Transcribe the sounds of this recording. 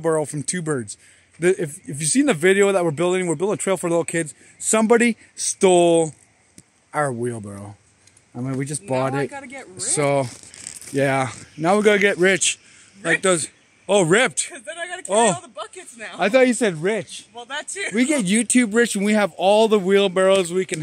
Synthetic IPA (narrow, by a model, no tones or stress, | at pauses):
bɜ˞oʊfɹʌ̃mtʰʉbɜ˞dz̥ | ðɨʔɪfɨfjɨsĩnðɨvɪɾioʊðət̚wəɹbɪlˠdɪ̃ŋwəɹbɪlˠdɪ̃ŋətʰeɪlˠfə˞lɪɾl̩ˠkʰɪdz̥ | sʌ̃mbɑɾi | stolˠ | aʊəwilˠbɜ˞oʊ | ãɪmɛ̃nwid͡ʒʌsb̥ɔɾɪt̚ɾɛsoʊjænaʊwɨɹɡɑɾɨɡɛʔ̚ɹɪt͡ʃ | laɪk̚ðoz | oʊɹɪp̚tɪɡɑoʊəbʌkɨtsnaʊaɪθɔthɨsɛd̚ɹɪt͡ʃɛæwiɡɛt̚jʉtʰʉbɹɪt͡ʃɨ̃n̩wiɨvɔlˠðəwilˠbɜ˞oʊzwikɨ̃n